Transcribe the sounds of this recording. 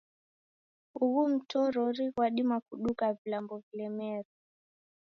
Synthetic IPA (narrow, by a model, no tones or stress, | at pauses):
uɣum̩tɔɾɔɾiwaɗimakuɗukavilambɔvilɛmɛɾu